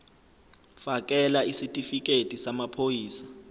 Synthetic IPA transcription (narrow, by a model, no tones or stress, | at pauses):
fak̬ʼɛlaisitʼifik̬ʼetʼisamapʰojiːsḁ